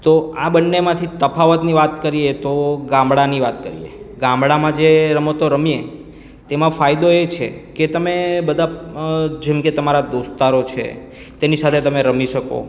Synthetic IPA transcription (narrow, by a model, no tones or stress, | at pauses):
t̪oabənːemãt̪ʰit̪əpʰaʋət̪niʋat̪kəɾiet̪oɡãmbɽaniʋat̪̚kə̰ɾḭjḛɡãmbɽamãd͡ʒeɾəmət̪oɾəmie | t̪emãfajd̪oet͡ʃʰḛket̪əmebəd̪ʱa | d͡ʒemket̪əmaɾad̪ost̪aɾot͡ʃʰḛ | t̪enisat̪ʰet̪əmeɾəmiʃəko̰